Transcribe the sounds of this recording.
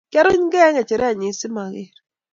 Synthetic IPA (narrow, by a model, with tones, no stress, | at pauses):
kɛ˦ɾʊ˦ɲɡɛ˦ŋɛ˨t͡ʃɛ˨ɾɛ˦a˨ɲi˨˦sɪ˦ma˨ɣɪ˦˨ɾ